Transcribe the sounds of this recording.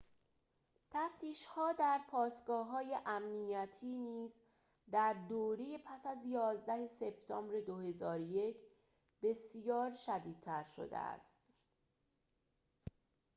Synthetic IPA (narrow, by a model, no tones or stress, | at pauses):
t̪ʰæft̪ʰiːʃhɒːd̪æɾpʰɒːsɡɒːɦɒːje̞ʔæmnijæt̪ʰiːniːz | d̪æɾd̪oːɾeje̞pʰæsæzjɒːzd̪æhe̞se̞b̥̚t̪ʰɒːmbɾe̞d̪ohe̞zɒːɾojecʰ | be̞sjɒːɾʃæd̪iːd̪̚t̪ʰæɾʃo̞̰d̪ḛæ̰st̪